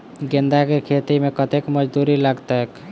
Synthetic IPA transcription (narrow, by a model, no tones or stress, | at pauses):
ɡẽnd̪akekʰet̪imẽkət̪ekməd͡ʒd̪uɾiləɡt̪ek